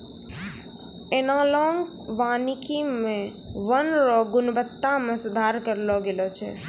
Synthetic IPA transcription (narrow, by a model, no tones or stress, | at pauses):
enãlɔ̃ːŋɡ | ʋanikimẽ | ʋənɾɔɡʊnbət̪ːãmẽsʊd̪ʱaɾkəɾlɔɡelot͡ʃʰɛ̰